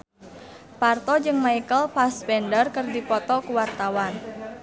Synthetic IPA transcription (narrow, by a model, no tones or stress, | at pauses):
part̪ɔd͡ʒɨŋmaikəlpaspɛndərkərdipɔt̪ɔkuwart̪awan